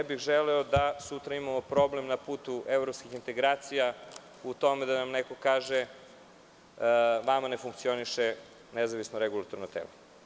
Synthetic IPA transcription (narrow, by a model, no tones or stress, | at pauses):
bixʒelɛod̪asut̪ɾaimamopɾo̞blemnapuːt̪uʔevɾopskixint̪eɡɾaːt̪sija | ut̪o̞med̪anamneko̞kaːʒe | ʋamanefuŋk̚t̪sio̞niʃe | nezaʋisnoɾeɡulˠat̪oɾnot̪ḛlo